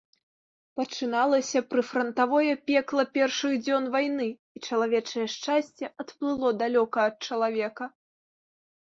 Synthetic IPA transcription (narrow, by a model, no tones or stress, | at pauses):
pɐt͡ʂɨnalˠɐsʲɐpɾɨfɾɐnt̪avɔjɐpʲɛklˠɐpʲɛrʂɨɣd͡zʲɔnvajnɨ | it͡ʂɐlˠavʲɛt͡ʂɐjɛʂt͡ʂasʲt͡sʲɛɐt̪plˠɨlˠɔd̪alʲɔkɐːt̪̚t͡ʂɐlˠavʲɛkɐ